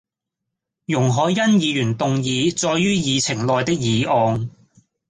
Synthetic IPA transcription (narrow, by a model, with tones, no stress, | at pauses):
jʊ˨˩ŋɦɔː˨˧jjɐ˥njiː˨˧jyː˨˩nt̪ʊ˨ŋjiː˨˧t͡sɔː˧jyː˥jiː˨˧t͡sʰɪ˨˩ŋlɔː˨˧jt̪ɪ˥k̚jiː˨˧ʔɔː˨˧ŋ